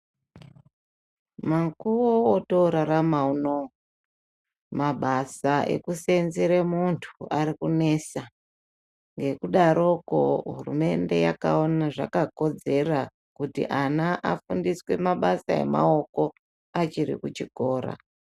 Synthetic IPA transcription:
maŋkuwootoɾaɾamauno | maɓasaʔe̞̰kuse̞nzeɾemuntʰuaɾikune̞sa | ŋɡe̞kuɗaɾo̞ko̰ɦurume̞nde̞jaka̰onaʐakako̞d͡ze̞ra | kutḭʔanaʔafundiswe̞maɓasae̞̰ma̰o̞ko̞ | at͡ʃiɾḭkut͡ʃiko̞ːɾa̰

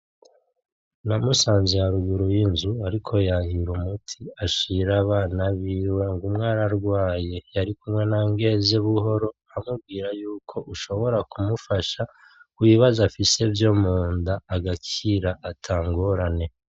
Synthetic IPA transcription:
namusaːnzijaɾuɡuɾojinzuaɾikʰo̞jahiɾumutʰiaʃiɾaβaːnaβiwe̞ŋɡumŋaːɾaɾɡwaːje̞jaɾikumŋe̞naŋɡe̞zeβuɦo̞ɾo̞ | amub̚ɡiːɾajuːkʰo̞ʔuʃo̞βo̞ɾakumufaʃa | kwwiβazafise̞vjo̞muːndaːɡacʰiɾaʔatʰaːŋɡoɾane̞

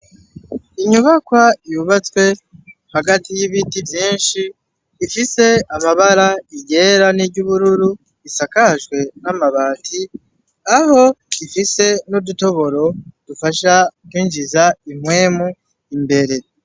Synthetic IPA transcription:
iɲuβakwaijuβat͡skwe̞haɡatijiβitivjiːnʃiː | fise̞amaβaɾaiɟe̞ːɾaniɾɟuβuɾuɾu | isakaʒɡwe̞namaβatʰi | aho̞ifise̞nuduto̞βo̞ɾo̞d̥ufaʃakwiːnʒizaimwe̞ːmu | imbe̞ɾe̞

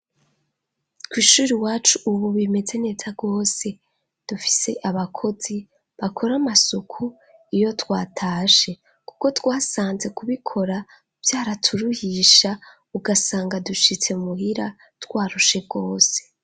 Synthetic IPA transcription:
kwiːʃuːɾiwaːt͡ʃuʔːβuβime̞d͡ze̞ne̞ːzaɡo̞ːse̞ | d̥ufi̥se̞ʔaβakʰo̞z̥i | βakʰo̞ɾamasukʰu | ijo̞twaːtʰaːʃe̞ | ku̥ko̞twaːsaːnze̞kuβikʰo̞ɾa | v̥jaːɾatʰuɾuhiʃa | uɡasaːŋɡaduʃit͡se̞umuhiɾa | twaːɾuʃe̞ɡo̞ːse̞̥

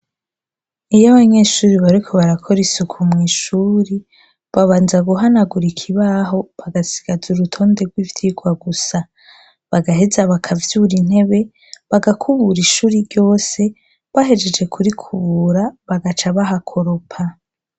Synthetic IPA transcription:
ijaβaɲe̞ʃuːɾiβaɾikʰo̞βaɾakʰo̞ɾisukʰumŋiːʃuːɾi | βaβaːnzaɡuɦanaɡuɾikʰiβaɦo̞βaɡasi̥ɡ̥azuɾutʰo̞ːnde̞ɡwivjiɡwaɡusa | βaɡaɦe̞zaβakʰavjuɾin̥he̞βe̞ | βaɡakʰuβuɾiʃuːɾiɾɟo̞ːse̞ | βaɦe̞d͡ʒe̞d͡ʒe̞kʰuɾikʰuβuɾaβaɡat͡ʃaβaɦakʰo̞ɾopʰa

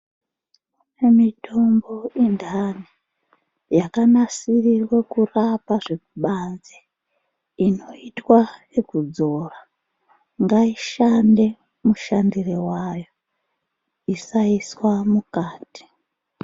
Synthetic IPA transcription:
emitʰo̞mbo̞indʱani | jakanasirirwekurapaʐekuɓanze | ino̞itwa | ekud͡zo̞ra | ŋɡaiʃande̞ | muʃandirewajo̞ | isaiswamukaːti̥

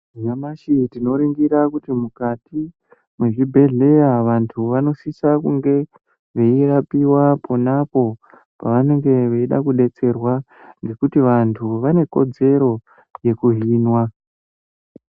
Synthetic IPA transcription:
ɲamaʃitino̞ɾiŋɡiɾakutimukati | mweʐibʱe̞ɮe̞jaʋantʰuʋano̞sisakuŋɡe̞ | ʋe̞irapiwapʰonapo̞ | pa̰ʋane̞ŋɡe̞ʋeiɗa̰kuɗe̞t͡se̞rwa | ŋɡe̞kutiʋantʰuʋane̞ko̞d͡ze̞ɾo̞ | je̞kuɦiːnwa

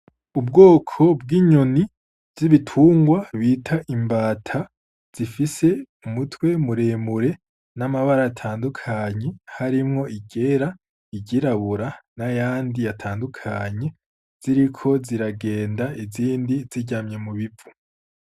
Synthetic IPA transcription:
ub̚ɡo̞ːkʰo̞b̚ɡiːɲoni | vziβitʰuːŋɡwaβiːtʰaʔimbaːtʰa | z̥ifise̞ | umutʰwe̞muɾeːmuɾe̞ | namaβaɾajatʰaːndukʰaɲe̞haɾimŋo̞ʔiɡe̞ːɾa | iɟiɾaβuɾanajaːndijatʰaːndukʰaɲe̞ | z̥iɾikʰo̞ziɾaɡe̞ːndaiziːndiziɟamɲe̞muβivu̥

